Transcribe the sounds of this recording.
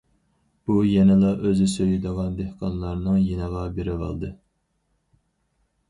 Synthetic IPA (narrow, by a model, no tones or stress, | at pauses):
b̥ujɛnɪlˠɑʔøzɪsøjɪd̪əʁɑnd̪ehqʰɑnlˠɑɾnɨŋjenɨʁɑbeɾɪvɑ̰lˠd̪ɨ